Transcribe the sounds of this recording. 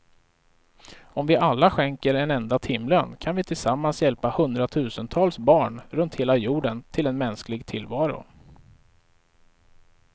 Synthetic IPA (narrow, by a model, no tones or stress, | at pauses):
ɔmvɪʔalːaɧɛŋkəɾɛnɛnd̪at̪ʰɪmlənkʰanvɪt̪ʰɪlsamːansjɛlpahɵnd̪ɾat̪ʰʉ̟ːsənt̪ʰɑːlsbɑːɳɾɵnt̪heːlajuːɖənt̪ʰɪlɛnmɛnsklɪɡt̪ʰɪlːvɑːɾʊ̰